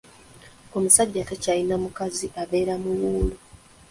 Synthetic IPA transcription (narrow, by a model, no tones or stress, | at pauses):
o̞musaɟːatacajinamukaziʔaβe̞ːɾamuwuːlu